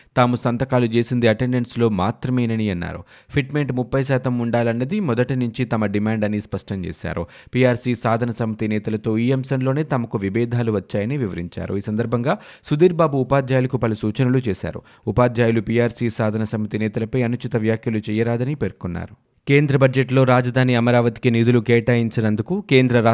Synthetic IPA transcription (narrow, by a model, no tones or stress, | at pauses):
t̪aːmusɐnt̪ɐkaːlut͡ʃe̞ːsind̪iɐʈe̞ɳɖeɳʈslo̞ːmaːt̪ɾɐmeːjnɐniɐnːa̰ːɾṵ | pʰiʈme̞ɳʈmupːɐjs̬aːt̪ɐmuɳɖaːlɐnːɐd̪imɔd̪ɐʈinuɲt͡ʃit̪ɐmɐɖimaːɳɖɐnispɐʂʈɐɲt͡ʃḛːsa̰ːɾu | piːaːɾsiːsaːd̪ʱɐnɐsɐmit̪inɛːt̪ɐlɐt̪o̞ːiemsɐnlo̞ːne̞ːt̪ɐmɐkuʋibɛːd̪ʱaːluʋɐt͡ʃːaːjɐniʋiʋɐɾiɲt͡ʃa̰ːɾṵiːsɐnd̪ɐɾbʱɐŋɡaːsud̪iːɾbaːbuːpaːd̪ʱjaːjulɐkupɐlusuːt͡ʃɐnulut͡ʃeːsa̰ːɾṵ | upaːd̪ʱjaːjulupiːaːɾsiːsaːd̪ʱɐnɐsɐmit̪inɛːt̪ɐlɐpɐjɐnut͡ʃit̪ɐʋjaːkʰjɐlut͡ʃɛjɐɾaːd̪ɐnipeːɾkunːa̰ːɾu | ke̞ːnd̪ɾɐbɐd͡ʒd͡ʒeʈlo̞ːɾaːd͡ʒɐd̪ʱaːniɐmɐɾaːʋɐt̪i̥kinid̪ulukeːʈaːjiɲt͡ʃɐnɐnd̪ukuke̞ːnd̪ɾɐɾa